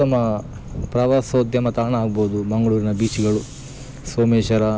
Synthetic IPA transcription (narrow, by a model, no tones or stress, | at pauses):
ɐmɐ | pɾɐʋaːsɐd̪jɐmɐt̪aːɳɐaːɡboːd̪ubɐŋɡɐɭuːɾinɐbiːt͡ʃiɡɐɭu | soːmeːʃɐɾɐ